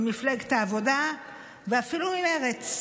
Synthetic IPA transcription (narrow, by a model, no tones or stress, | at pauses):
mifleɡt̪aːvo̞da | veafilumimeʁet͡s